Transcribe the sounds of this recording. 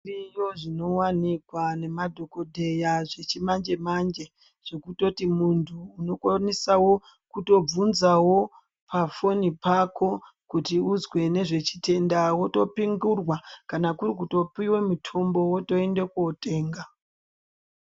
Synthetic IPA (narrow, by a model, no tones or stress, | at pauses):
ijo̞ʐino̞wanikwane̞madʱo̞ko̞dʱe̞jaʐe̞t͡ʃimand͡ʒe̞mand͡ʒe̞ | ʐ̥e̞kuto̞timuntʰuːno̞kwanisawo̞ | kuto̞b͡vunzawo̞ | pʰafo̞nipako̞ | kutiuzwe̞ne̞ʐe̞t͡ʃi̥tʰe̞ndawo̞to̞piŋɡurwakanakuɾik̬uto̞piwe̞mutʰo̞mbo̞woto̞e̞nde̞kwote̞ːŋɡa